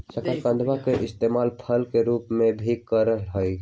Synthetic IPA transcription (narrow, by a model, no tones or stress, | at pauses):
səkaɾkə̃nd̪ʋakeʔɪst̪eːmaːlpʰəlkeɾuːpmẽbʱikəɾəɦɦoi